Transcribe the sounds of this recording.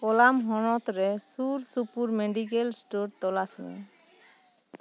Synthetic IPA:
kɔlamɦɔnɔt̪ɾɛsuɾsupuɾmeɖik̬elsʈoɾt̪ɔlasmɛ̰

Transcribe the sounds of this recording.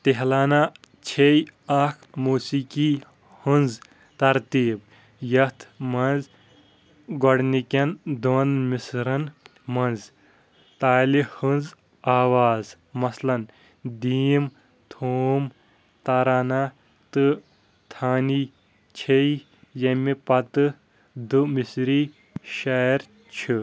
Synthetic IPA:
t̪eɦlaːna | t͡ʃʰejɐkʰmuːsiki | hɨnz | t̪ɐɾt̪iːb̚ | jɐt̪ʰmɐnz | ɡɔɽnikʲɐnd̪onmisɾɐn | mɐnz | t̪aːlihɨnz | aːʋaːz | mɐslɐn | d̪iːm | t̪ʰoːm | t̪ɐɾaːna | t̪ɨ | t̪ʰaːni | t͡ʃʰei | jɐmipɐt̪ɨ | d̪ɨmisɾi | ʃaɾ | t͡ʃʰi

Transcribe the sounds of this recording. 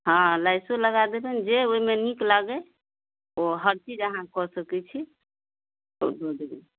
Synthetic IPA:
ɦɔ̃lajsoləɡad̪ebɛnd͡ʒeoimeniklaɡɛ | oɦəɾt͡ʃid͡ʒəɦãkɔsəkɛt͡ʃʰi | o̰ɖod̪ebɛ

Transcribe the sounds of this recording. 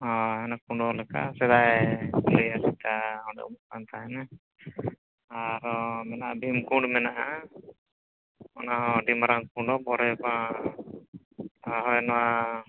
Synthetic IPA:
ɦɔ̃ɛnakuɳɖɔlɛka̰sɛd̪ajliasit̪aɔɳɖɛ̰ʔmukant̪ʰaɦɛna | aɾɔmɛnaʔabʱimkuɳɖmɛnaʔa | ɔnaɦɔ̃ɖimaɾaŋkuɳɖɔbɔɾɛpã | ɦɔjnɔwa

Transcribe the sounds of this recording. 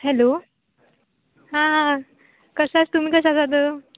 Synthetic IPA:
hɛlo | ɦãɦã | kəsat͡st̪um̤iːkəs̬asat̪ə

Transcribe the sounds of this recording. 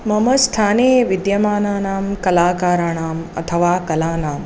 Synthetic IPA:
mɐmɐst̪ʰaːneːʋid̪jɐmaːnaːnaːmkɐlaːkaːɾaɳaːmɐ̰t̪ʰɐʋaːkɐlaːnaːm

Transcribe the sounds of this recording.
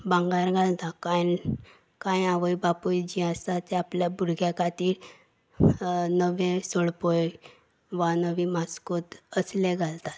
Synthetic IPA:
bãŋɡaɾɡʱalt̪akajn | kãjaʋəjbapujd͡ʑĩast̪at̪ɛapljabʱuɾɡʱjakat̪iːɾ | nəʋẽsoɽpoj | ʋanəʋĩmaskot̪əsleɡʱalt̪at̪

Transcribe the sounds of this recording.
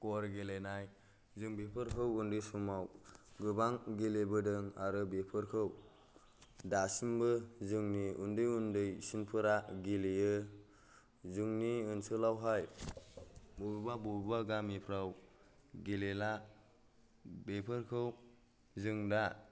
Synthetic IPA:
kɔɾɡelenaj | zɯŋbepʰɯɾkʰɯwundɯjsumawɡɯbaŋɡilebɯdɯŋaɾɯbepʰɯɾkʰɯw | dasimbɯzɯŋniundɯjundɯjsinpʰɯɾaɡilejɯ | zɯŋniɯnsʰɯlawɦaj | bubbabɔbbaɡamipʰɾaw | ɡelela | bepʰɯɾkʰɯw | zɯŋda

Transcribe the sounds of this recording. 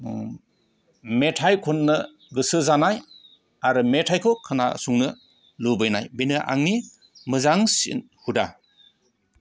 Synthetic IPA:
metʰajkʰunːɯ | ɡɯsɯzanaj | aɾɯmetʰajkʰokʰɯna̰suŋnɯ | lubɯjnajbenɯʔa̰ŋni | mɯzaŋsḭn | huda

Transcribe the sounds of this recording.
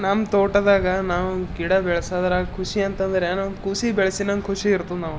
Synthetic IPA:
naːmt̪oːʈɐd̪aːɡɐnaːʋuɡiɽɐbɛɭɐsad̪ɐɾaːkʰuʂiɐnt̪ɐnd̪ɾenɐʋkusibɛɭɐsinɐnkʰuʂiːɾt̪ːunaːʋu

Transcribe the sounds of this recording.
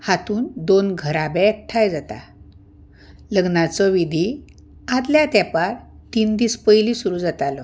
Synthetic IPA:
hat̪uːnd̪onɡʱəɾabɛ̃ɛkʈʰajd͡zat̪a̰ | ləɡnat͡sɔʋid̪ʱi | ad̪ljat̪japaɾt̪iːnd̪iːspəjlisuɾuːd͡zat̪alɔ

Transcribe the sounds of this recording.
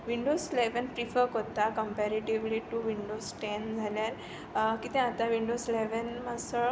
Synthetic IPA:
ʋiɳɖosileʋənpɾifəɾkot̪akəmpɛɾeʈiʋliʈuʋiɳɖosʈend͡zʱaljaɾ | kit̪ɛ̃at̪aʋiɳɖosileʋənmasə

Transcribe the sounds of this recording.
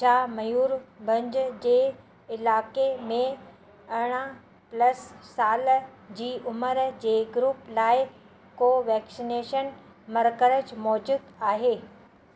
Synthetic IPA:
t͡ɕʰaːmɐjuːɾbʱɐ̃ɲd͡ʑd͡ʑeː | ɪlaːkemẽ | ɐɽ̃ə | plɐsːaːld͡ʑiːʔʊməɾd͡ʑeːɡɾuːplaːɪ | koːʋɛːksɪneːʃən | mɐɾkəɾəd͡ʑmɔːd͡ʑuːd̪aːɦeː

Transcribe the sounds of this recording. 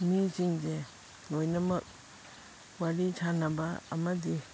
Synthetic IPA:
mit͡ʃiŋze | lojnɐmɐk̚ | waɾitʰanɐbɐɐ̰mɐdi

